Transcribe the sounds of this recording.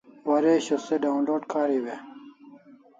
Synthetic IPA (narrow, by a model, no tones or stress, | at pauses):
wɐɾeːɕoseɖaːunloːɖkaːɾiwe